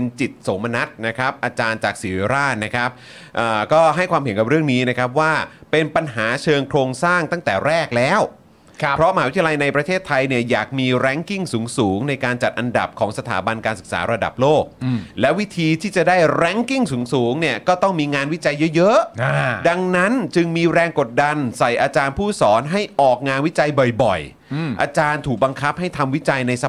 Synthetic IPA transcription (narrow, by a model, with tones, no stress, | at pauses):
pe˧nt͡ɕi˨˩t̪̚so˩˦ma˧na˦˥t̪̚na˦˥kʰa˦˥p̚ʔaː˧t͡ɕaː˧nt͡ɕaː˨˩k̚siː˩˦weː˨˦ɾaː˥˩t̪̚na˦˥kʰɾa˦˥p̚ | ʔəː˨˩kɔː˥˩ɦa˥˩jkʰwaː˧mhe˩˦nka˨˩p̚ɾɯ˥˩əŋniː˦˥na˦˥kʰa˦˥p̚waː˥˩pe˧npa˧nɦaː˩˦t͡ɕʰɤː˧ŋkʰɾoː˧ŋsaː˥˩ŋt̪a˥˩ŋt̪ɛː˨˩ɾɛː˥˩k̚lɛː˦˥w | pʰɾɔ˦˥ʔma˧aː˧˩˦t̪ʰja˧la˧jna˧jpɾa˧t̪ʰeː˥˩t̪ʰːa˧jni˥˩ɐjaː˨˩k̚miː˧ɾɛ˦˥ŋki˥˩ŋsuː˩˦ŋsuː˩˦ŋna˧jkaː˧nt͡ɕa˨˩t̪̚ʔa˧nda̰˨˩p̚kʰɔː˩˦ŋsa˧t̪ʰaː˩˦ba˧nkaː˧nsɯ˨˩k̚sa̰ː˩˦ɾa˧da̰˨˩p̚loː˥˩k̚lɛ˦˥wi˦˥t̪ʰiː˧t̪ʰiː˥˩t͡ɕa˨˩daː˥˩jɾɛ˦˥ŋki˥˩ŋsuː˩˦ŋsuː˩˦ŋni˥˩ɐkɔː˥˩t̪ɔ˥˩ŋmiː˧ŋaː˧nwi˦˥t͡ɕa˧jːɤ˦˥jɤ˦˥a˧da˧ŋna˦˥nt͡ɕɯ˧ŋmiː˧ɾɛː˧ŋko˨˩t̪̚da˧nsa˨˩jʔaː˧t͡ɕaː˧npʰuː˥˩sɔː˩˦nɦa˥˩jʔɔː˨˩k̚ŋaː˧nwi˦˥t͡ɕa˧jbɔ˨˩jbɔ̰˨˩j | ʔa̰ː˧t͡ɕaː˧nt̪ʰuː˨˩k̚ba˧ŋkʰa˦˥p̚ha˥˩jt̪ʰa˧mwi˦˥t͡ɕa˧jna˧js